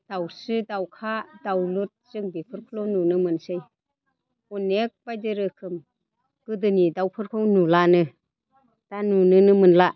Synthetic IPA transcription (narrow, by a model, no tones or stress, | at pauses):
d̥awsɯdawkʰadawlut̚zɯŋbipʰɯɾkʰulɔnunɯmɯnsɯj | ɔnek̚bajdɯɾɯkʰɯm | ɡ̥ɯdɯnidawpʰɯɾkʰɯwnulanɯ | d̥anunɯnɯmɯnla